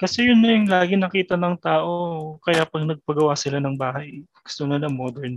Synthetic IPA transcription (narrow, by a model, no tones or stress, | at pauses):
kɐsɛjʊnːɐjʊŋlaːɡɪnɐkiːt̪ɐnɐŋt̪aːʔo̞kɐjapɐɡ̚nɐɡ̚pɐɡɐwaːsɪlanɐŋbaːhɐjɡ̥ʊ̥st̪onɐlɐmoːd̪ɛɹn